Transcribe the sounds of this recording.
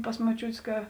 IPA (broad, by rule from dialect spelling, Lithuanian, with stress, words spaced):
pɐs moːˈt͡ʃʲuːtʲeːs ˈkɐ